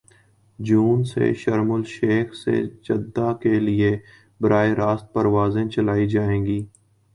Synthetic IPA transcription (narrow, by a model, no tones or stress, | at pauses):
d͡ʒuːnsḛʃəɾmʊlʃeːxsḛd͡ʒəd̪ːakelɪe | bəɾaːeɾaːst̪̚pəɾʋaːzẽt͡ʃəlaːid͡ʒaːẽːɡiː